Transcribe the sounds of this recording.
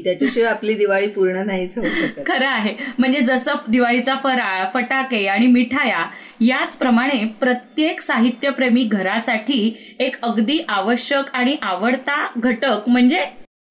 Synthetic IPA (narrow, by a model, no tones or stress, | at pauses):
t̪jat͡ɕeɕeapliːd̪iʋaɭiːpuɾɳənaɦit͡səɦot̪kʰəɾəaɦem̤əɳd͡zed͡zəsəd̪iʋaɭit͡safəɾafəʈakeaɽ̃imiʈʰaja | jat͡spɾəmaɽ̃epɾət̪jeksaɦit̪jəpɾemiːɡʱəɾasaʈʰiːekəɡd̪iːʔaʋəɕjəkaɽ̃iʔaʋəɽt̪aɡʱəʈəkm̤əɳd͡ze